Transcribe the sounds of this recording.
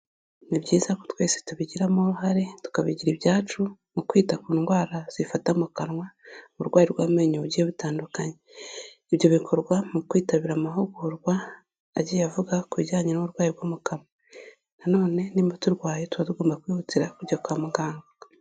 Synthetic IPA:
nibɟiːzako̥twe̞ːse̥tuβiɟiɾamoɾuɦaɾe̞tu̥kaβiɟiɾiβjaːt͡ʃumukwiːtakuːnɡwaːɾaz̥ifatamukanŋwauɾɡwaːjiɾɡwaːmweːɲuβuɟieβitaːndukaɲe | iβjo̞βikʰo̞ɾɡwamukwiːtaβiɾamaɦoɡuɾɡwaː | ɟijavuɡakuiɟaːɲenuβuɾɡwaːjiɾɡwoːmukama | nano̞ːne̞nimotuɾɡwaːjetuatuɡo̞ːmbakwiːhutiɾakuɾɟakuamuɡaːŋɡa

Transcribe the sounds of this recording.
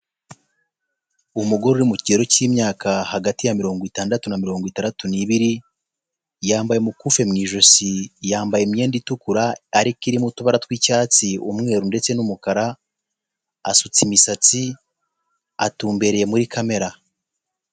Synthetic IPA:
umuɡo̞ɾuɾimucieɾo̞ciːmɲaːkahaɡatijamiɾo̞ːŋɡitaːndatunamiɾo̞ːŋɡwitaːndatuniβiɾi | jaːmbajemukufe̞mŋiːʒo̞sijaːmbajemɲe̞ːnditukuɾaːɾikiɾimutuβaɾatwiːcaːt͡siumŋe̞ːɾunde̞t͡se̞numukaɾa | a̰sut͡simisat͡si | atuːmbe̞ɾe̞je̞muɾikʰame̞ɾa

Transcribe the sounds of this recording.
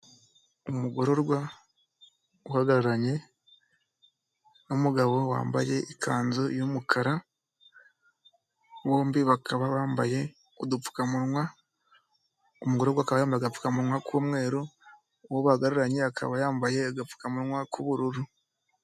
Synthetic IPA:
omuɡo̞ɾo̞ɾɡwa | uhaɡaɾuɾaɲe̞ | nomuɡaβo̞wa̰ːmba̰je̞ikʰaːnzojomukʰaɾa | βoːmbiβakʰaβaβaːmbaje̞ | odup͡fu̥kamuɾwa | omuɡo̞ɾo̞ɾɡwaːkaβajaːmbaɡafu̥kamuɾŋwakʰuːmwe̞ːɾo | woβaɡaɾuɾaɲe̞akʰa̰βajaːmbaje̞ɡafu̥kamuɾŋwakʰuβuɾuɾu

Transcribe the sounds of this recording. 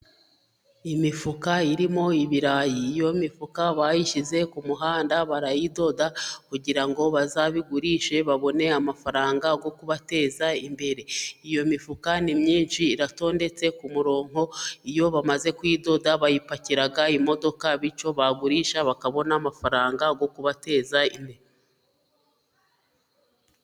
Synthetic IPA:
imifukaiɾimo̞iβiɾajiːjo̞mifukaβajiʃize̞kumuɦaːndaβaɾajido̞dakuɟiɾaŋɡo̞βazaβiɡuɾiʃe̞βaβo̞ne̞amafaɾaːŋɡaɡo̞kuβate̞ːzaimbe̞ɾe̞ijo̞mifukanimɲiːnʃiːɾato̞ːnde̞t͡se̞kumuɾo̞ːŋ̥ho̞ijo̞βamaze̞kwiːdo̞daβajipaciɾaɡaimo̞do̞kaβit͡ʃo̞βaɡuɾiːʃaβakaβo̞naːmafaɾaːŋɡaɡo̞kuβate̞ːzaine

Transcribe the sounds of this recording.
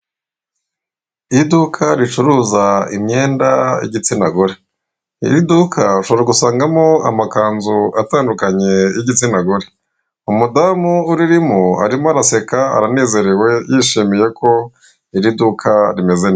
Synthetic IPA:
idukʰaɾit͡ʃuɾuzaḭmɲe̞ːnda̰jḭɟit͡sinaɡoɾe | ḭɾidukʰaʃoβoɾaɡusaːŋɡamoa̰makaːnzuataːndukaɲe̞jiɟit͡sinaɡoɾe | umudamuːɾiɾimua̰ɾimaɾase̞kaa̰ɾane̞ːze̞ɾe̞we̞jiʃiːmije̞kʰo̞ | iɾidukʰaɾime̞zen

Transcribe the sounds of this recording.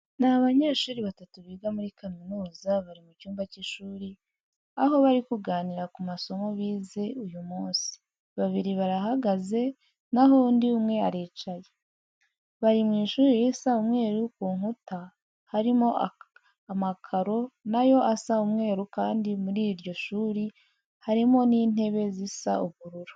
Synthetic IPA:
naβaɲe̞ːʃuːɾiβatatuβiːɡamuɾikanonuːzaβaɾimucuːmbaciʃuːɾi | aɦo̞βaɾikuɡaːniɾakumaso̞mo̞βiːze̞ujumuːnsi̥ | βaβiɾiβaɾaɦaɡaze̞ | naɦondiumŋe̞aɾe̞ːt͡ʃaje | βaɾimŋiːʃuːɾijisaumŋe̞ːɾukuːŋuta | haɾimo̞ | amakʰaɾo̞najo̞asaumŋe̞ːɾukaːndimuɾiːɾɟo̞ʃuːɾi | haɾimo̞niːn̥e̞βe̞zisauβuɾuɾo̥

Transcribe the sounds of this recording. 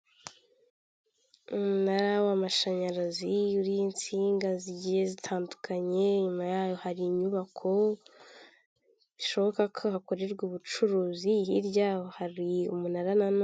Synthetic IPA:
umunaɾawamaʃaɲaɾaziuɾiint͡siːŋɡaziɟije̞zitʰaːndukʰaɲe̞ɲumajaːjo̞haɾiɲuβakʰo̞ | βiʃo̞βo̞kakʰo̞hako̞ɾeɾɡuβut͡ʃuɾuːziɦiɾɟaːwohaɾiumunaɾanano

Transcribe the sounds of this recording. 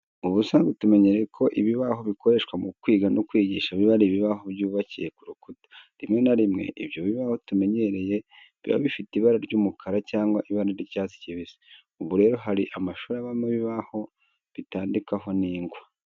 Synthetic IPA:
uβusaːŋɡutume̞ɲe̞ɾejekʰo̞ʔiβiβaɦo̞βikoɾe̞ʃkwamukwiːɡanokwiːɟiːʃaβiβaɾiβiβaɦo̞bɟuːβacije̞kuɾukutḁɾimŋe̞naɾimŋe̞̰ʔiβjo̞βiβaho̞tume̞ɲe̞ɾe̞je̞ | βḭβa̰βifiteiβaɾaɾɟuːmukʰaɾacaːŋɡwaʔiβaɾaɾicaːsi̥ciβize̥ | uβuɾe̞ːɾo̞ɦaɾiʔamaʃuːɾaβameβiβaho̞ | βitaːndikaɦo̞niːŋɡwa

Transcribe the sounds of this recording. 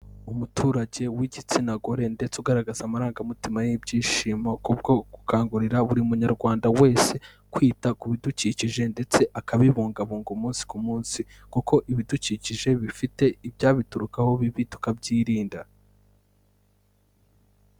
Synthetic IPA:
umutʰuːɾaɟe̞wiɟit͡sinaɡo̞ɾe̞nde̞t͡suɡaɾaɡazamaɾaːŋɡamitimajibɟiːʃimakubɡo̞ɡ̥ukaːŋɡuɾiɾaβuɾiumuɲaɾɡwaːndawe̞ːse̞ | kwiːtakuβiduciciʒe̞nde̞t͡se̞ʔakaβiβuːŋɡaβuːŋɡumuːnsi̥kumuːnsi | kuko̞ʔiβiduciciʒe̞βifite̞ibɟaːβituɾukaho̞βiβitu̥kabɟiːɾiːnda

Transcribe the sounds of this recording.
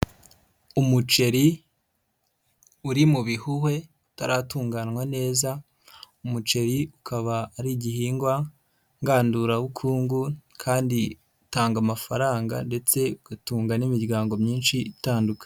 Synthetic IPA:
umut͡ʃe̞ɾi | uɾimuβihuhwe̞ | utaɾaːtuːŋɡaːnwane̞ːza | umut͡ʃe̞ɾiukʰaβaːɾiɟihiːŋɡwa | ŋɡaːnduɾaβukʰuːŋɡukʰaːndi | utaːŋɡamafaɾaːŋɡa̰nde̞t͡se̞uɡatuːŋɡanimiɾɡaːŋɡo̞mɲiːnʃitaːndukḁ

